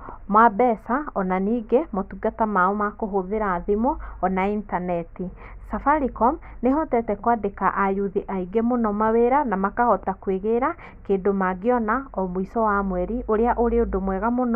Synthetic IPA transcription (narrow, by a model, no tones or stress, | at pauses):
mwabɛsaɔnaniːɡemotuɡatamaomakoɦoðeɾaːðemɔːnaintanɛti | safaɾikɔm | neɦɔtɛtɛkwadekaʔajuðiʔaiɡemonɔmaweɾanamakahɔtakweɣeɾa | kedomaɡeɔnaɔmoisɔwamwɛɾiʔoɾeaʔoɾeodomwɛɣamonɔ